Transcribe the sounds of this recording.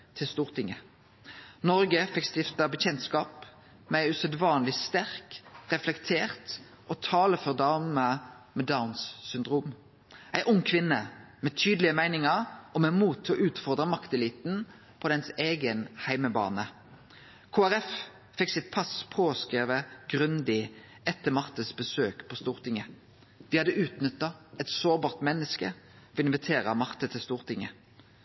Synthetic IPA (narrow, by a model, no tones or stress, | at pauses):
t̪ʰɪlst̪uːʁt̪ʰɪŋə | nɔʁɡəfɪkst̪ɪft̪əbəc͡çɛnt̪skɑːp | mɛæɪʉsœd̪ʋɑːnlɪst̪æʁkʁɛflɛkt̪ʰeːʁt̪ | ʔɔt̪ʰɑːləfɔʁd̪ɑːmə | mɛd̪aʊnssʏnd̪ʁuːm | ʔæɪʔʊŋːkʰʋɪnːə | mɛt̪ʰyːd̪əlɪəmæɪnɪŋəʁɔmɛmuːt̪ʰːɔʔʉːt̪fɔʁd̪ʁəmɑkt̪ɛlɪt̪n | pʰɔd̪ɛnseːɡənhæɪməbɑ̰ːnə | kʰoːæʁɛf | fɛksɪt̪̚pʰɑspʰoːskʁeːʋəɡ̥ʁʉnd̪ɪ | ʔɛt̪ːəmɑʁt̪əsbəsøːkpʰɔst̪uːʁt̪ʰɪŋə | d̪̥ɪhɑd̪əʔʉːt̪nʏt̪ːɑɛt̪soːʁbɑːʁt̪mɛnːəskə̰ | ɔɪnʋɪt̪ʰeːʁəmɑʁt̪ət̪ʰɪlst̪uːʁt̪ʰɪŋə